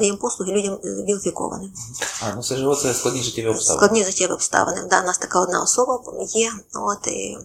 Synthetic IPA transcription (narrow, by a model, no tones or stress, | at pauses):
ɪjɛmpɔslˠʊɦɪlʲudʲɐmʋʲilˠɪfʲikɔ̰ʋɐ̰nɪmanusɛʒɪʋɔt̪sɛsklˠɐd̪ʲnʲiʐɪtʲːɛʋʲiɔpst̪a̰klˠɐd̪ʲnʲiʐɪtʲːɛʋʲɪɔpst̪ɑ̰ʋɐ̰nɪ̰md̪awnɑst̪ɐkaɔd̪nɑ̰ɔsɔbɐjɛot̪